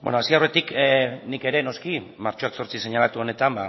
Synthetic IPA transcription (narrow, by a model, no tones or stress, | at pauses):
bḛnoasiawre̞t̪iknike̞ɾe̞no̞skimaɾt͡ʃo̞akso̞ɾt͡sise̞ɲalat̪uo̞ne̞t̪amba